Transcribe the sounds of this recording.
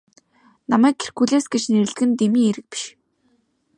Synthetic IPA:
namæːkʰːe̥r̥ɡuːɮeːsɡet͡ɕneɾɘ̆ɮɡɘ̆nt̪emiːŋeɾɘ̆k̚pi̥ʃ

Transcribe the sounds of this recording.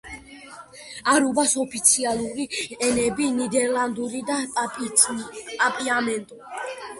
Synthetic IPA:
aɾubasɔpʰit̪sʰialˠuɾiɛnɛbinid̪ɛɾlˠand̪uɾid̪a | pʼapʼiamɛnt̪ʼu

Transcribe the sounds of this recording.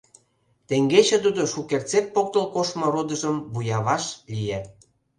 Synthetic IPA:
t̪eŋɡet͡ɕĕt̪ud̪oʃukert͡sep̚ːok̚t̪əlkoʃmŏɾod̪ə̆ʒəmβujɑβɑʃlijæ

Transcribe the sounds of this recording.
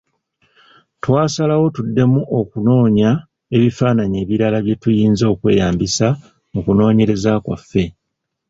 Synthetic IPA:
twaːsalawo̞tudːe̞muʔo̞kuno̞ːɲa | e̞βifaːnaɲe̞ːβiɾalaβje̞tujiːnzo̞ːkwe̞̰ːjaːmbisa | mukuno̞ːɲe̞ɾe̞zakwa̰fːe̞

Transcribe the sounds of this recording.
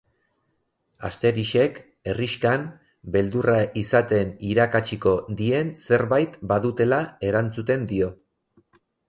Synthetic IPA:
a̰st̪e̞ɾiʃe̞k | e̞riʃkan | be̞ld̪uraʔisat̪e̞niɾakat͡ʃiko̞d̪ie̞nse̞ɾβajt̪baðut̪e̞lae̞ɾant͡sut̪e̞nd̪io̞

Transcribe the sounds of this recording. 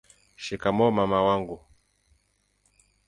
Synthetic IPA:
ʃikamɔmamawaŋɡu

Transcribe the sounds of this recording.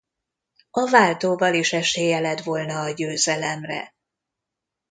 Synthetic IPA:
ɒvaːlt̪oːvɒliʃɛʃeːjɛlɛt̪vo̞lnɒːɟøːzɛlɛmrɛ̰

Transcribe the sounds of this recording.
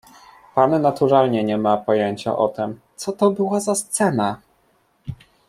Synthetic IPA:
pannat̪uɾalɲɛɲɛmapɔjeɲt͡ɕa̰ʔɔ̰t̪ɛmt̪sɔt̪ɔbɘwazast̪sɛna

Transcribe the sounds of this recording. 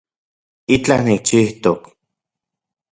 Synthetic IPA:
it͡ɬahnik̚t͡ʃiht̪ok

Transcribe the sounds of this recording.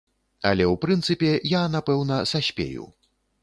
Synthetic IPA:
ɐ̰lʲɛwpɾɨnt̪sɨpʲɛjanapɛwnɐsasʲpʲḛjṵ

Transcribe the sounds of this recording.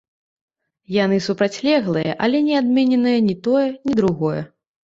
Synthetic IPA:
jan̪ɨsupɾat͡sʲlʲɛɣlˠɨjɐ̰ʔɐlʲɛnʲɛad̪mʲɛnʲɛnɨjɐnʲit̪ɔjɛnʲid̪ɾuɣɔjɛ̰

